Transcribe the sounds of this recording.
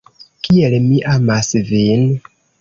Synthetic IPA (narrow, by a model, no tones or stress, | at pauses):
kʰielmiʔamasvin